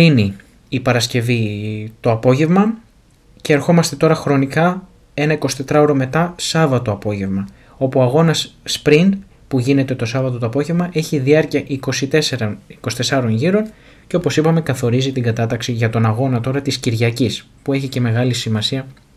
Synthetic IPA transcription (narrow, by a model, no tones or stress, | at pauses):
ini | ipɐɾɐsce̞vit̪o̞ɐpo̞ʝe̞vmɐ | ce̞ːɾxo̞mɐst̪e̞t̪o̞ɾɐxɾo̞nikɐ | e̞nɐiko̞si̥t̪e̞t̪ɾɐo̞ɾo̞me̞t̪ɐsɐvɐt̪o̞ɐpo̞ʝe̞vmɐ | o̞puoɐɣo̞nɐsspɾin | puʝine̞t̪e̞t̪o̞sɐvɐt̪ot̪oɐpo̞ʝe̞vmɐʔe̞çiðiɐɾciɐʔiko̞sit̪eseɾɐniko̞si̥t̪esɐɾo̞nʝiɾo̞n | ceo̞po̞sipɐme̞kɐθo̞ɾizit̪iŋɡɐt̪ɐt̪ɐksiʝɐt̪o̞nɐɣo̞nɐt̪o̞ɾɐt̪isciɾʝɐcis | pue̞çice̞me̞ɣɐlisimɐsiɐ